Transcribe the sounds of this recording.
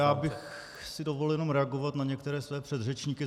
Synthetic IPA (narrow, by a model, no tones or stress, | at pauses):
jaːbɪx | sɪdovoljɛno̞mɾɛaɡovat̪naɲɛkt̪ɛɾɛːsvɛːpr̝̥ɛd̪rɛt͡ʃɲiːkɪ